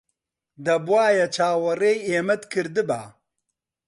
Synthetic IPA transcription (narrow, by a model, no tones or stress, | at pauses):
d̪ɐbwaːjɐt͡ʃʰaːwɐreːjeːmɐt̪kʰɨɾd̪ɨba̰ː